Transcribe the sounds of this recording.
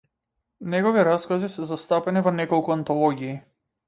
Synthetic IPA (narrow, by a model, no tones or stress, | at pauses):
nɛɡɔviɾaskazisɛzast̪apɛnivɔnɛkɔlˠkuant̪ɔlˠɔɡʲiː